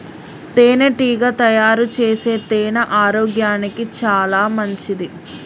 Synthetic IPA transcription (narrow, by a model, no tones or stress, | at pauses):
t̪eːneʈiːɡɐt̪ɐjaːɾut͡ʃeːseːt̪eːnɐʔaːɾoːɡjaːnikit͡ʃaːlaːmɐɲt͡ʃid̪i